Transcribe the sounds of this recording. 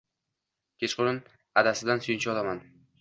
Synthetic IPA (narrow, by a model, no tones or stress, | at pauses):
kʲʰet͡ʃqʊɾɪn | ad̪asɪd̪ansʊjɪnt͡ʃʰɪɒlˠaman